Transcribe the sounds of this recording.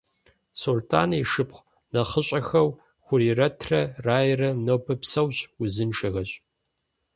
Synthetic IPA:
sultʰa̰ːniʂɨpχʷ | nɐχəɕʼɐxɐw | xʷʊɾiːrɐtʰrɐraːjrɐnobʰɐpsɐwɕʼʊzɨnʃɐɣɐɕʼ

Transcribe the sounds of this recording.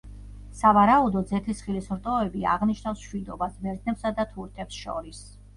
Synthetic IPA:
savaɾaud̪ɔzɛt̪ʰisχilisɾt̪ʼɔɛbia̰ʁniʃnafsʃwid̪ɔbasbɛɾt̪nɛpsad̪at̪ʰuɾt̪ʰɛpsʃɔ̰ɾis

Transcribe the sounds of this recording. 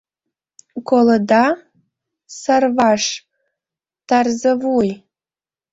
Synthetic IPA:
koləd̪ɑ | sɑrvɑʃ | t̪ɑrzəvuj

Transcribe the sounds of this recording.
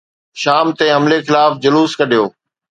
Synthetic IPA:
ʃaːmt̪eɦɐmlexɪlaːfd͡ʑʊluːskɐɗʱijoː

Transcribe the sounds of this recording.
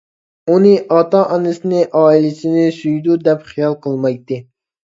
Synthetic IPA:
unɨʔɑt̪ɑʔɑnɨsɪnɪʔɑːilɪsɪnɪsyjd̪ud̪ɛpχijɑlˠqʰəlˠmɑjt̪ːɨ

